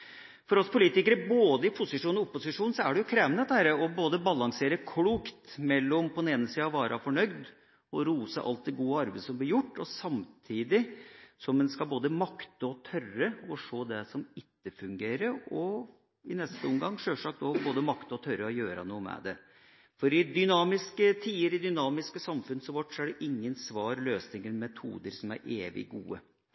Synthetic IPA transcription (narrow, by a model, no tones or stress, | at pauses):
fɔɾɔspʰʊliːt̪ɪkəɾəboːd̪əɪpʰʊsɪʂuːnɔʊpːʊsɪʂuːnsɔæɖɛjʊkʰɾeːʋnət̪æːɾəɔboːd̪əbɑlɑŋseːɾəkʰɽuːkt̪mɛlːɔmpʰɔd̪ɛneːnəsiːɑʋɑːɾʔɑfɔɳœʏd̪ | ɔɾuːsə̰ʔɑ̰lt̪̚d̪ɛɡuːəɑɾbeɪd̪əsɔmblɪɾjʊʈːɔsɑmt̪ʰiːd̪ɪsɔmːɛnskɑboːd̪əmɑkt̪əɔt̪ʰœrəɔʂoːd̪ɛsɔmɪt̪ːəfʉŋɡeːɾəɔ | ɪnɛst̪əɔmɡɑŋːʂøːʂɑːk̚d̪ɔboːd̪əmɑkt̪əɔt̪ʰœɾəɔjøːɾɑ̰nuːəmɛ̰d̪ɛ | fɔɾɪd̪ʏnɑːmɪskət̪ʰiːəɾɪd̪ʏnɑːmɪskəsɑmfʉnsɔʋɔʈsæɖɛʔɪŋːənsʋɑːɾløːsnɪŋəlmɛt̪ʰṵːd̪əɾsɔmæ̰ɾʔeːʋɪ̰ɡṵːə